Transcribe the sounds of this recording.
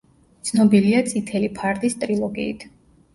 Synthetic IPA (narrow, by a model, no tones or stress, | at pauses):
t̪sʰnɔbiliat̪sʼit̪ʰɛlipʰaɾt̪ʼist̪ʼɾilˠɔɡḭːt̪ʰ